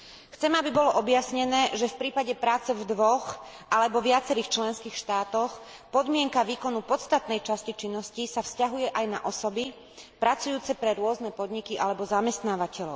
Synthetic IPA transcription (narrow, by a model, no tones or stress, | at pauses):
xt͡sɛmabibɔlɔʔɔbjasɲɛnɛːʒɛfpɾiːpaɟɛpɾaːt͡sɛvd̪ʋɔx | ʔalɛbɔʋɪat͡sɛɾiːxt͡ʃlɛnskiːxʃt̪aːt̪ɔx | pɔd̪mɪɛŋkaʋiːkɔnupɔt̪st̪at̪nɛjt͡ʃascit͡ʃinːɔscisafscaɦujɛʔajna̰ʔɔsɔbi | pɾat͡sujuːt͡sɛpɾɛɾʊɔznɛpɔd̪ɲikiʔa̰lɛbɔzamɛst̪naːʋacɛlɔʊ